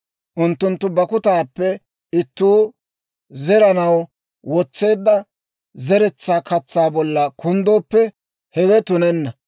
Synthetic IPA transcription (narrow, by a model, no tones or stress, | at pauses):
ʔʊnt̪ːʊnt̪ːʊbɐkʊt̪aːpːɛ | ɪt̪ːuː | zɛɾɐnɐw | wɔt͡sːe̞ːd̪ːɐ | zɛɾɛt͡sːaːkɐt͡sːaːbɔlːɐkʰʊnd̪o̞ːpːɛ | hɛwɛt̪ʊnɛnːɐ